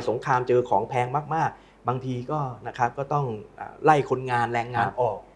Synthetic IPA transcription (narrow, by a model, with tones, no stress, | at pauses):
so˩˦ŋkʰaː˧mt͡ɕɤː˧kʰɔː˩˦ŋpʰɛː˧˥ŋmaː˥˩k̚maː˥˩k̚ | baː˧ŋt̪ʰiː˧kɔː˥˩na˦˥kʰa˦˥p̚kɔː˥˩t̪ɔ˥˩ŋʔa̰ː˨˩la˥˩jkʰo˧nŋaː˧nlɛː˧ŋːaː˧nʔɔː˨˩k̚